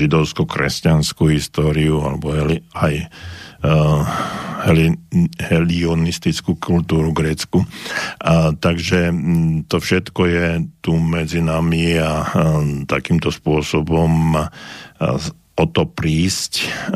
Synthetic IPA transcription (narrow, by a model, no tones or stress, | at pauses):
ʒid̪ɔʊskukɾɛ̰scanskuɦist̪ɔːɾiua̰lɛbɔɦɛliaj | hɛlhɛliɔnist̪it͡skukʰult̪uːɾuɡɾɛt͡sku | t̪aɡʒɛt̪ɔfʃɛt̪kɔjɛt̪umɛd͡zinamiat̪akiːmt̪ɔspʊɔsɔbɔm | ɔt̪ɔpɾiːsc